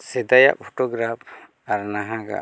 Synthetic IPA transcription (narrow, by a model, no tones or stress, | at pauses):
sɛd̪aja̰ʔpʰɔʈɔɡɾap̚ | aɾnaɦãɡa̰